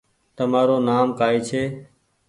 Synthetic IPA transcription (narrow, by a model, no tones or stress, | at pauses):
t̪əmaːɾoːnaːmkaːeːt͡ʃʰeː